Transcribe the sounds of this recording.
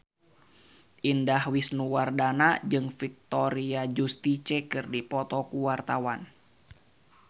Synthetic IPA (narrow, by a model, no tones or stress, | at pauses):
ʔindahwisnuwardanad͡ʒɨŋfik̚t̪ɔɾiad͡ʒust̪it͡ʃɛkɨrdipɔt̪ɔkuwart̪awan